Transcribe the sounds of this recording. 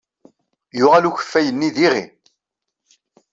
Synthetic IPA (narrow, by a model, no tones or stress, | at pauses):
jʊʁaluçə̥fːæjənːiðiʁḭ